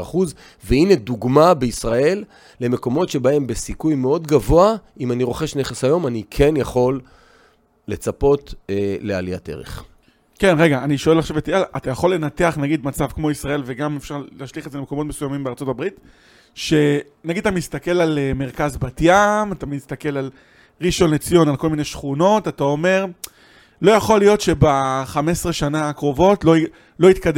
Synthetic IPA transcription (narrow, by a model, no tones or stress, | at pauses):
a̰χuz | veineduɡmabeisʁae̞lː | e̞me̞ko̞mo̞tʃe̞bae̞mbe̞sikujmeo̞dɡavo̞aimaniʁo̞χe̞ʃne̞χesajo̞manikʰe̞njaχo̞lː | et͡sapo̞tele̞a̰lija̰te̞̰ʁḛχ | ke̞nʁe̞ɡaːniʃo̞elaχʃavet̪ialʔat̪ajaχo̞lːe̞nat̪eaχnaɡid̪mat͡savkmo̞isʁae̞lveɡamefʃaʁlaːʃliχezelemeko̞mo̞t̪mesujamimbeaʁt͡so̞tabʁit̪ | ʃe̞ | naɡid̪̚at̪amist̪ake̞laleme̞ʁkazbat̪jamat̪amist̪ake̞lal | ʁiʃonet͡sijo̞nalko̞lmine̞ʃχuno̞tat̪ao̞me̞ʁ | lo̞jaχo̞lijo̞tʃe̞baχame̞sʁeʃanakʁo̞vo̞tlo | lo̞it̪kad